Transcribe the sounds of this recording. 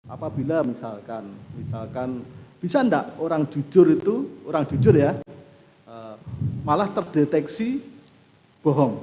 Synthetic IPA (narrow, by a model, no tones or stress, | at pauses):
ʔapab̥ilamisalkanmisalkanb̥isandaʔoɾaŋ̥ʒ̥u̥d͡ʒʊɾit̪uoɾaŋd͡ʒ̥ud͡ʒʊrja | ʔəmalaht̪ərd̥et̪ɛksi | b̥ɔɦɔŋ